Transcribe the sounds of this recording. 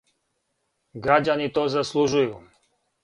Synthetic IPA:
ɡɾad͡ʑanit̪ozaslˠuʒuju

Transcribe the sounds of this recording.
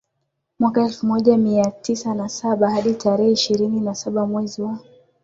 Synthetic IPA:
mwakaɛlfumɔʄamiatisanasaɓahaɗitʰaɾɛhɛiʃiɾininasaɓamwɛziwa

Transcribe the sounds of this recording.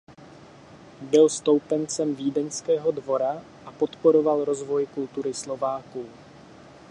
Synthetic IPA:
bɪlst̪o̞wpɛnt͡sɛmviːdɛnskɛːɦo̞dvo̞ɾa | ʔapo̞t̪po̞ɾo̞valɾo̞zvo̞jkult̪uɾɪslo̞vaːkuː

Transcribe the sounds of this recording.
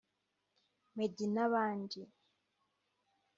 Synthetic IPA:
meɟinaβaːɲɟi

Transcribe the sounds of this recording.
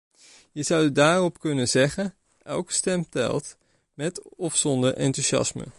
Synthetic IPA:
jəzʌwdaːrɔpkɵnəzɛχə | ɛ̰lˠkə̥stɛmtɛ̰lˠt | mɛtɔfsɔndəɹʔɛ̰ntuʃɑ̰smə̰

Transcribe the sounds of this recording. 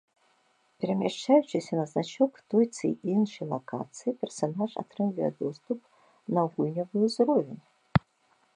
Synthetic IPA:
pʲɛɾɐmʲɛʂt͡ʃajut͡ʃɨsʲɐnɐznat͡ʃɔkt̪ɔjt̪sɨ̰ʔinʂɨjlˠɐkʰa̰t̪sɨjipʲɛrsanaʐa̰t̪ɾɨmvʲɨjɛ̰d̪ɔst̪up̚ | nɐɣujnʲɐvɨjuzrɔvʲin

